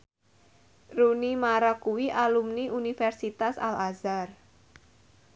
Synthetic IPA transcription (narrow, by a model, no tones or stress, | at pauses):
runimaɾakuwiʔalumniʔunifɛrsit̪asa̰lazar